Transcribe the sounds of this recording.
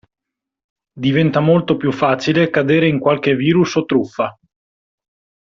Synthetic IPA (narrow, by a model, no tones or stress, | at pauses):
d̪ivɛnt̪amolt̪opjufːaːt͡ʃilekad̪eːɾeiŋkwalk̟eviːɾusot̪ːɾufːa